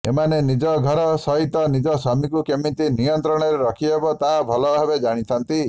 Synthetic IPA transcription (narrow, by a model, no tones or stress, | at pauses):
ḛmanenid͡ʒɔɡʱɔɾɔsɔɦit̪ɔnid͡ʒɔsɔmikukemit̪inijɔnt̪ɾɔɽ̃ɔɾeɾɔkʰiebɔt̪aɦbʱɔlɔɦebed͡ʒaɽ̃it̪ʰant̪i